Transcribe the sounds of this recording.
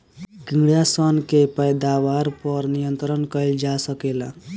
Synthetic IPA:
ɡĩŋɡɽjasənkepəjd̪awaɾpʌɾnijənt̪ɾənkəjld͡ʒasəkela

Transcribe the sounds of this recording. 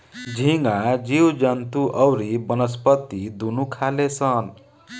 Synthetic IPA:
d͡ʒʱiŋɡad͡ʒiwd͡ʒant̪uʔʌwɾibʌnʌspʌt̪id̪unukʰalesʰʌn

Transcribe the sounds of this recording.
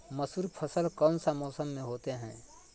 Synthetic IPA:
məsuːɾpʰəsəlkɔːnsamɔːsəmːẽɦoːt̪eɦɛ̰̃ː

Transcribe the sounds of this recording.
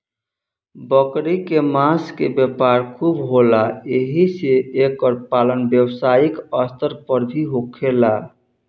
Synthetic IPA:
bəkɾikemãskebjəpaɾkʰubɦolaeɦiseːkːəɾpalənbjəwsaikəst̪əɾpəɾbʱiɦokʰela

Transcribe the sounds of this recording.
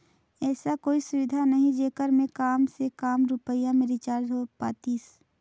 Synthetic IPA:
ɛːsakoːisʊʋɪd̪ʱanəɦĩd͡ʒeːkəɾmẽkaːmsekaːmɾʊpəjamẽɾit͡ʃaːɾd̪ɦopaːt̪iːs

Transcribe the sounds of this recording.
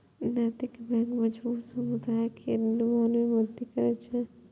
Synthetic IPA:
nat̪ikbɛ̃ŋkməd͡ʒbuːt̪səmud̪ajkʰeluanmeməd̪ikəɾɛt͡ʃʰɛ

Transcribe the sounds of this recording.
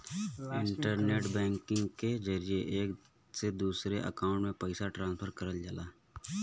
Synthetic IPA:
ɪ̃ɳʈəɾneːʈbɛ̃ːŋkɪ̃ŋɡked͡ʒəɾijeʔeːk | sed̪uːsɾeʔə̰kaːʊ̃ɳʈmẽpəɪsaʈɾãːnspʰəɾkəɾəld͡ʒəlaː

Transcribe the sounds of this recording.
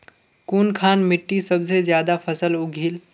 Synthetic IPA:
kuːnkʰaːnmɪʈːisəbsezjaːd̪apʰəsəlʊɡʱil

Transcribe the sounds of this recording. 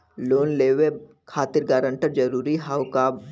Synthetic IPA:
loːnleːʋeb | kʰaːt̪ɪɾɡaːɾə̃ɳʈəɾd͡ʒɐɾuːɾiɦaːʊka

